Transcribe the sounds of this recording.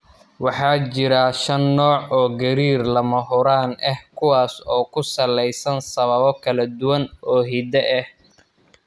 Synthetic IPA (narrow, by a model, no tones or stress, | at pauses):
wɑħɑːt͡ʃɪɾɐʃɐnːɔːʕɔːɡɐɾiːrlɐmɐɦʊɾaːnʔɛhkʰʊwaːsɔːkʰʊsɐlɛjsɐnsɐβɐβɔkʰɐlɐd̪ʊwɐnʔɔːɦid̪ɛʔɛh